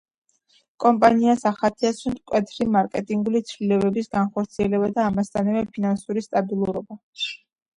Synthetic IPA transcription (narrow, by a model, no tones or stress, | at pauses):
kʼɔmpʼaniasaχat̪ʰɛasunt̪kʼwɛt̪ʰɾimaɾkʼɛt̪ʼiŋɡulit̪sʰvlilɛbɛbisɡanχɔɾt̪sʰiɛlɛbad̪aːmast̪ʰʼanavɛpʰinansuɾist̪ʼabilˠuɾɔba